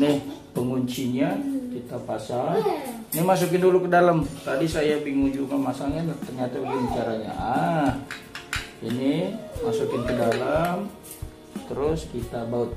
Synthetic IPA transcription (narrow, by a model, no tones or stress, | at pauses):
nɪhpəŋuɲt͡ʃiɲakit̪apasaŋ | nimas̬ukɪndulukədalamt̪adisajabiŋuɲd͡ʒukanmasaŋant̪ərɲat̪auɡəmt͡ʃaɾaɲa̰ʔah | inimasukɪnkədalam | t̪əɾʊskit̪abaʊt̪̚